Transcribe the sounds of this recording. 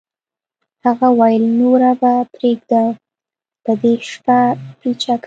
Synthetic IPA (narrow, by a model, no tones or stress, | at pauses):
haɣawajlnoɾabapɾeɡd̪a | pəd̪eʃpapit͡ʃak